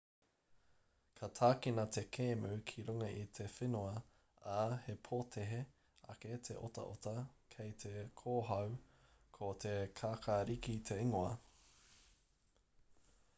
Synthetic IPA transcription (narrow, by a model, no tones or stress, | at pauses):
kʰɐtʰaːkinɐt̪ʰe̞kʰeːmʉkʰiɾuŋɐʔit̪ʰefenoɐ | ahepʰoːt̪ʰeɦe | ɐ̰ket̪ʰḛʔo̰tɐ̰ʔotɐkʰejt̪ʰekʰoːɦɐw | kʰot̪ʰekʰaːkʰaɾikit̪ʰe̞iŋoɐ